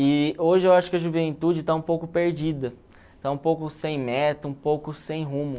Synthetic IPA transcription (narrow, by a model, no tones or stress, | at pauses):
ɪoʒɪewaʃʊ̥kɪɐʒuvẽnt̪ud͡ʒɪt̪aũpowkʊpeɾd͡ʒid̪ɐ | t̪aũpowkʊsẽj̃mɛt̪ɐũpowkʊsẽj̃ɦũmʊ